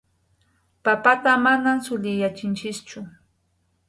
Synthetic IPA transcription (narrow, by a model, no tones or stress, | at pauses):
papat̪amanamsʊʎɪjat͡ʃɪnt͡ʃɪst͡ʃʊ